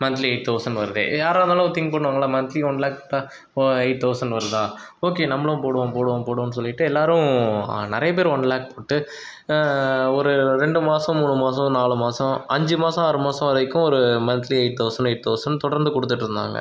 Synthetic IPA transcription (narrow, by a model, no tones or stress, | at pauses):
mɐnt̪liɐɪʈ̚t̪ːɐʊsɐɳɖʋɐɾɯðḛːjaːɾaːnaːlʊ̃t̪ɪŋɡ̚pɐɽːɯʋaːŋɡɐɭːaːmɐnt̪liɔɳɖlaːk̚poːʈːaː | ɔɐɪʈ̚t̪ɐʊsɐɳɖʋɐɾɯðaː | oːkeːnɐmːɐɭʊ̃poːɽɯʋɐ̃poːɽɯʋɐ̃poːɽʊ̃nːɯs̬ɔlːɪʈːɯɛlːaːɾʊ̃nɪɾɐjɐp̬eːɾɔɳɖlaːk̚poːʈːɯ | ɔɾɯɾɛɳɖɯmaːsɐ̃muːɳɯmaːs̬ɐ̃naːlɯmaːsɐ̃ɐɲd͡ʒɯmaːsɐ̃ɐɾɯmaːsɐ̃ɐɾɐɪkːʊ̃ɔɾɯmɐnt̪liɐɪʈ̚t̪ɐʊsɐɳɖɐɪʈ̚t̪ɐʊsɐɳɖt̪ɔɽɐɾnd̪ɯkɔɽɯt̪ːɯʈːɯɾɯnd̪a̰ːŋɡɐ̰